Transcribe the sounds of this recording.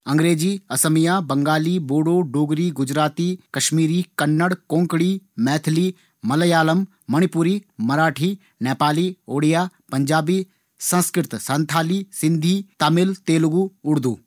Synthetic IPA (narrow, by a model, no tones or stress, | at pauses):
ɐ̃ŋɡɾeːd͡ʒiːɐsəmijaːbɐŋɡaːliboːɽoːɖoːɡɾiːɡʊd͡ʒɾaːt̪iːkɐʃmiːɾiːkɐnːəɽkõːŋkɽiːmɛːt̪ʰliː | mɐləjaːləmː | ɐɽ̃ipʊɾiːmɐɾaːʈʰiː | nɛːpaːlioːɽijaːpɐɲd͡ʒaːbiː | sɐ̃nskɾɪt̪sɐ̃nt̪ʰaːlisɪ̃nd̪ʱiːt̪amɪlt̪eːlɡuʊɽd̪uː